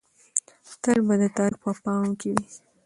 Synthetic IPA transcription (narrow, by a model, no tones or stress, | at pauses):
t̪əlbad̪ət̪aɾpəpɑmkewi